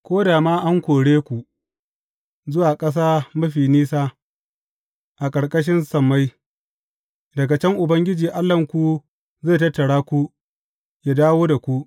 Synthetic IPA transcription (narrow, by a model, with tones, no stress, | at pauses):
kʷoː˦daː˨maː˦ʔa˦ŋkʷoː˨ɽeː˦kʷu˨ | zʊ˦waː˨kʼɐ˦s̬aː˦mɐ˦ɸiː˨niː˦saː˦ | ʔa˨kʼɐ˨ɽkʼɐ˦ʃ̬ɪ˦nsɐ˨mːa˦j | dɐ˨ɡa˨t͡ʃɛ˦ŋʔʊ˨bɐ˦ŋɡʲɪ˦d͡ʒiː˨ʔa˦lːɐ˨ŋkʷu˨ | zeː˦˨tɐ˦tːɐ˨ɽaː˦kʷu˦ | jaː˦daː˦woː˦da˨kʷu˦ʔ